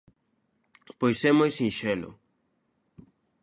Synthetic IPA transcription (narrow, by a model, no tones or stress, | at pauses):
pojsemojsĩnʃelʊ̰